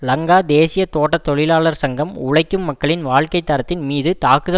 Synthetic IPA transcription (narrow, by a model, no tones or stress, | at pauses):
lɐŋɡaːd̪eːsɪjɐt̪oːʈːɐt̪ːɔɭɪlaːɭɐɾsɐŋɡɐmʊɻɐɪkːɯmːɐkːɐɭɪnʋaːɭkɐɪt̪ːɐɾɐt̪ːɪnmiːðɯt̪aːkɯðɐ